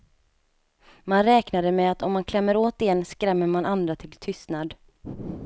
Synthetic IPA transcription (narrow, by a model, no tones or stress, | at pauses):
manɾɛːknad̪əmɛat̪ɔmːankʰlɛmːəɾoːt̪ɪɛnːskɾɛmːəɾmanʔand̪ɾat̪ʰɪlt̪ʰʏst̪nad̪